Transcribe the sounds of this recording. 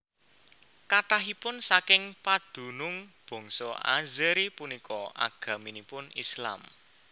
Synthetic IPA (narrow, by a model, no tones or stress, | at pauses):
kaʈaɦipʊnsakɪŋpad̪̥ṳnʊŋb̥ɔ̤ŋsɔa̰zɛɾipunikɔʔa̰ɡ̥ä̤minipʊnḭsla̰m